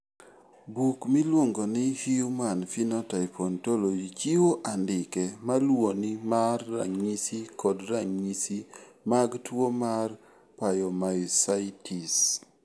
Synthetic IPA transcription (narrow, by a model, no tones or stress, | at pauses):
bukmilwoŋɡonɪhiumanfinɔtaɪpɔntolod͡ʒit͡ʃiwoʔandɪkɛmalwonimarːa̰ŋɲisikɔdɾaŋɲisi | maɡtwomar | pajɔmajsaitʰis